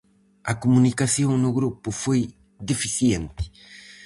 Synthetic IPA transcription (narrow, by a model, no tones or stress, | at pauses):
ɐkomunikasjõŋ̃nʊɣɾupufoj | d̪efisjẽnt̪ɪ̥